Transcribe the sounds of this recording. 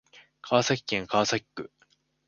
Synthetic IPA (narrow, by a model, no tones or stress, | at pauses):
kʰaːsakʲi̥kẽŋkʰaːsakʲkːɯ̟̰